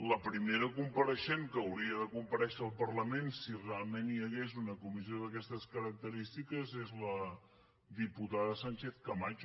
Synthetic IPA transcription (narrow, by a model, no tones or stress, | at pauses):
ləpɾimeɾəkumpəɾəʃeŋkəːwɾiəðəkumpəɾɛʃəːlˠpərləmensirealˠmenjəɣezunəkumizioðəkɛst̪əskəɾək̚t̪əɾist̪ikəzezlə | ðiput̪aðəsanʲt͡ʃeθkəmat͡ʃ